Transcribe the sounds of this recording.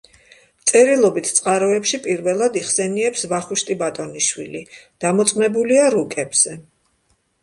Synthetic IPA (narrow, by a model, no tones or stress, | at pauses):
t̪sʼɛɾilˠɔbit̪ʰt̪sʼqʼaɾɔɛpʃipʼiɾvɛlˠad̪iχsɛniɛpsvaχuʃt̪ʼibat̪ʼɔniʃwilid̪̥amɔt̪sʼqʼnɛbuliaɾukʼɛbz̥ɛ